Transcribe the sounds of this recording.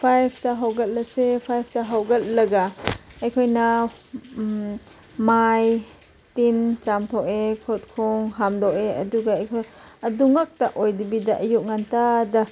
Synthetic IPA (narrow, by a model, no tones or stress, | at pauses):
pʰajpʰtaɦawɡɐt̚lɐsepʰajp̚ʰtaɦawɡɐt̚lɐɡaːjkʰojna | maj | tint͡ʃamtʰɔekʰot̚kʰɔŋɦamdɔʔeɐ̰duɡaɐjkʰojɐduŋak̚taʔojdibidaʔɐjuʔ̚ŋantada